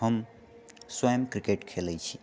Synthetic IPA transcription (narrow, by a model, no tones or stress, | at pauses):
ɦəm | swəjəmkɾikeʈkʰelɛt͡ʃʰi̥